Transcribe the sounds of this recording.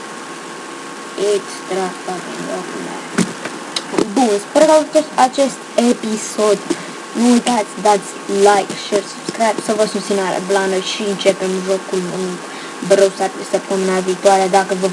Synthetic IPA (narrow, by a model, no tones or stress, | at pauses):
ekst̪ɾafakḭnlokmḛ | bunspeɾkaut̪osat͡ʃest̪episo̞d̪ | nuujt̪at̪sʲd̪at̪sʲlajkʃersub̥skɾajbsəvəsupt̪sinaɾḛplanəʃiɨnt͡ʃepemʒokulmult̪ | bɾəwsasəp̚t̪əmenaviːt̪uaɾed̪akəvə